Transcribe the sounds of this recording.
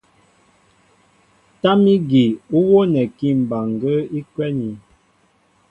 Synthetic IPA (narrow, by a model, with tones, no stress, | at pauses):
ta˦mi˦ɡi˨u˦wo˦nɛ˨ki˦˨m̩˨ba˨ŋ˨ɡə˦i˦kwɛ˦ni˨